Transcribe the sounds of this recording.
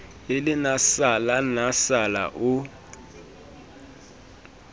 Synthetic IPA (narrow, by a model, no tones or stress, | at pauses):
ɪlɪnasalanasala̰ʔʊ